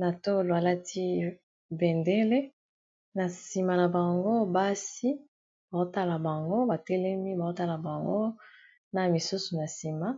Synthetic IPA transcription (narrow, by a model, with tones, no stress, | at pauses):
na˨to˦lo˨a˨la˦tʰi˦ | be˨nde˦le˦ | na˨si˨ma˨na˨ba˨ŋɡo˦ba˦si˦ | ba˨o˦ta˦la˨ba˨ŋɡo˦ba˨tɛ˦lɛ˦mi˦ba˨o˦ta˦la˨ba˨ŋɡo˦ | na˨mi˨su˦su˨na˨si˨ma˦